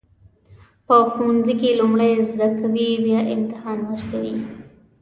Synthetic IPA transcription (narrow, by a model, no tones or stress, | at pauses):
pəxunzikelumɽəjzd̪akawiwjɑʔɪ̰nt̪ɪhɑnwəɾkawi